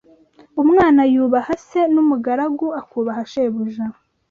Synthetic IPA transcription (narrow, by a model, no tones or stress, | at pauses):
umŋaːnajuːβahase̞numuɡaɾaɡuakuːβaɦaʃeːβuʒa